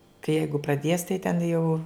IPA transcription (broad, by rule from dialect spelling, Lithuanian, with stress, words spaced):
kɐɪ ˈjɛɪɡʊ prɐˈdʲiɛs tɐɪ tʲɛn jɛʊ